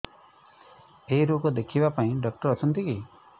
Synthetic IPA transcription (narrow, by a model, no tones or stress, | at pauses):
eɦjɾokɔd̪ekʰibapaĩɖɔk̚ʈɔɾɔt͡ʃʰɔnt̪iki